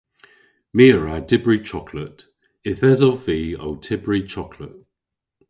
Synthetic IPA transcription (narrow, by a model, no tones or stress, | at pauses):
miːəɹadɪbɹit͡ʃʰɒkʰlət | ɪθɛzɔvviːo̰ʊtʰɪbɹit͡ʃʰɒkʰlə̰t̚